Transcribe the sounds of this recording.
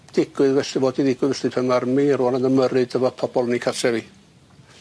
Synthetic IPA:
d̥ɪɡ̥wɨðvɛsivoːdiðɪɡ̥wɨðvɛsipʰɛmarmiɾunanəməɾɨdəvɔpʰɔb̥ɔlˠnikʰarsɛvi

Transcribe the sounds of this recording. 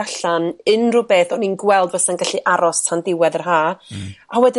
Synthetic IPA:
aɬanɨnrʊbeːθɔninɡwɛlˠdvəsanɡaɬiʔaɾɔstʰandɪwɛðərɦaːawɛdɪ

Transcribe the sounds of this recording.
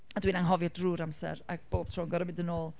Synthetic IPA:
adwiːnaŋɦɔvjɔdruːɾamsɛ̰ɾaɡ̥̚b̥oːb̥̚tʰroːnŋɡɔɾəmɪndənoːlˠ

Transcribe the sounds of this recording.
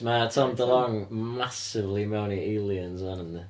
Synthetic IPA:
matʰɔmdəlˠɔŋmasɪvlimɛwniʔilˠiənzanənðə

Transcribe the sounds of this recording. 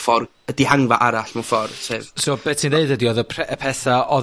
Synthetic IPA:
fɔr | ədihaŋvaʔaɾaɬmafɔrsʰevsoːb̥ɛtsʰineɨdədiɔðəpʰɛəpʰɛθaʔɔ

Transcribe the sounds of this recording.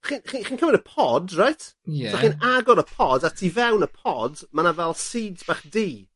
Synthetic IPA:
χinχiχiːnkʰəmɪnəpʰɔdrajtʰsɔχiːnaɡɔɾəpʰɔdatʰivɛwnəpʰɔdmanavɛlˠsiːdzb̥aχdiː

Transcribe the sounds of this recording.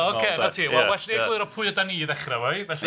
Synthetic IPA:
okʰenatʰiːwɛlˠwɛɬneɡlɪɾɔpʰʊɨɔdaniːðɛχrawajvɛɬi

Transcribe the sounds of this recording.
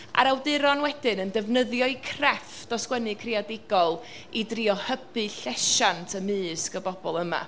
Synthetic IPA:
ʔa̰ɾawdɪɾɔnwɛdɪnəndəvnəðjɔɨkʰrɛfd̥ɔskwɛnɨkʰrɪadɪɡɔlˠ | idriɔhəbɨɬɛʃantʰəmɨːskəbɔbɔlˠəma̰

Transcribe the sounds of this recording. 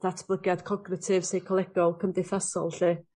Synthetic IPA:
ð̥atʰb̥lˠəɡjad̥kʰɔɡnɪtʰɪv̥sejkʰɔlˠɛɡ̥ɔlˠkʰəmdɪθasɔ̰lˠɬɨː

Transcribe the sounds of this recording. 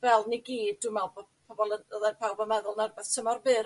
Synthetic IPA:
vɛlˠniɡiːdːumɛlˠbpʰɔbɔlˠənðɛnpʰawbɔmɛðʊlˠnarbɛðtʰəmɔrbɨːɾ

